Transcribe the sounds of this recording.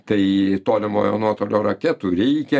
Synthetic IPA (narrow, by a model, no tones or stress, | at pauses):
t̪ɐɪt̪oːlʲɪmo̰ːjo̰ːnuɔt̪oːlʲoːɾɐkʲɛt̪uːɾʲɛɪkʲɛ